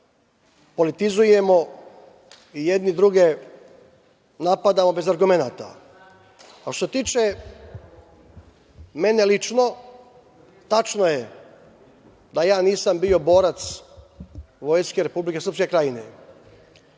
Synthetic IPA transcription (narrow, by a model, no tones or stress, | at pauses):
po̞lit̪izuje̞mo̞ | ijed̪nid̪ɾuɡe | napad̪amo̞be̞zaɾɡume̞naːt̪a̰ | aʃtoset̪iːt͡ʃe | me̞ne̞lit͡ʃno̞ | t̪at͡ʃno̞je | d̪ajaːniːsambio̞bo̞ːɾat̪s | ʋo̞jskeɾe̞publike̞sɾpske̞kɾajinḛ